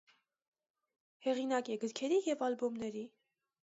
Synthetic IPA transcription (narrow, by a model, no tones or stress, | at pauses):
hɛʁinɑkɛɡəɾkʰɛɾijɛvɑlbɔmnɛɾi